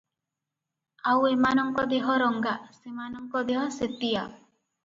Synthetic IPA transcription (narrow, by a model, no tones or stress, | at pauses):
awemanɔŋkɔd̪eɦɔɾɔŋɡaʔsemanɔŋkɔd̪eɦɔset̪ija